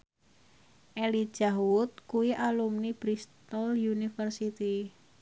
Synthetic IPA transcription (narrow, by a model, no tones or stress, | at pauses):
ʔɛli̥d͡ʒ̥aɦwʊt̪̚kuwiʔalumnib̥ɾist̪ɔljunifərsit̪i